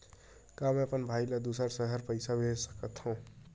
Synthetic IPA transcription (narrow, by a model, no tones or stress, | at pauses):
kameəpənbʱajlad̪usəɾsəɦəɾpəɪsabʱesə̥kət̪hõ